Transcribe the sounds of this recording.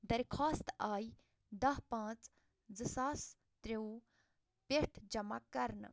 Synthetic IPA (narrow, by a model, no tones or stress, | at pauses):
d̪ɐɾʲkʰaːst̪aːji | d̪ɐɦpãːt͡s | d͡zɨsaːs | t̪ɾeu | peʈʰd͡ʒɐma̰kːɐɾnɨ̰